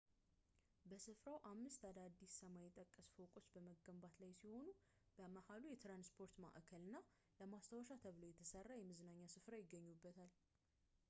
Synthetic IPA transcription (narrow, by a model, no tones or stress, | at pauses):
bəsɨfɾawʔamːɨst̪ad̪ad̪ːisːəmajɪt̪ʼəkʼːəsfokʼo̞t͡ʃːbəməɡːəmbat̪lajsiho̞nu | b̥əmahalujɛt̪ɾanspʰo̞ɾt̪ma̰ʔkʰəlɨnːa | ləmast̪ʰəwəʃat̪ʰəβlojɛt̪ʰəsərːajɛmɨzɨnaɲːasɨfɾajɪɡːəɲːubːət̪ʰal